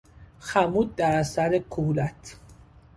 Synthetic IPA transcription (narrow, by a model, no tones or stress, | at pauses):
xæmuːd̪̚d̪æɾæsæɾekʰuhlæt̪ʰ